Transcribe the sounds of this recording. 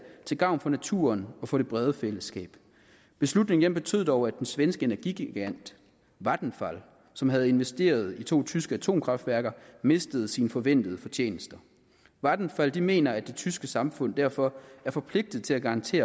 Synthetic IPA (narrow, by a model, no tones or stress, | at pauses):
t͡sʰe̝ɡ̥ɑ̈ʊ̰nfɒ̽næt͡sʰṵɐnɒ̽fɒ̽ɾ̥e̝b̥ʁɛð̞ˠəfel̰əsɡ̥ɛ̰ːb̥ | b̥e̝slud̥ne̝ŋd̥emb̥e̝t͡sʰø̰ð̰ˠɒʊæd̥ensʋensɡ̥əe̝næɐɡ̥iɡ̥iɡ̥æn̰d̥ | ʋɑd̥n̩fæl | sɒ̽mɦæð̞ˠe̝nʋesd̥e̝̰ːɐð̞̩ˠit͡sʰo̝̰ːt͡sʰysɡ̥əæt͡sʰo̝̰ːmkʰʁɑ̈fd̥ʋæɐɡ̥ɐme̝sd̥əð̞̩ˠsiːnəfɒ̽ʋen̰d̥əð̞ˠəfɒ̽t͡ɕʰe̝̰ːnəsd̥ɐ | ʋɑd̥n̩fæld̥ime̝̰ːnɐæd̥e̝t͡sʰysɡ̥əsɑ̈mfɔ̽n̰d̥æɐ̰fɒ̽æɐfɒ̽pʰle̝ɡ̥̚d̥ð̩ˠt͡sʰe̝æɡ̥ɑ̈ɑ̈nt͡sʰe̝̰ːɐ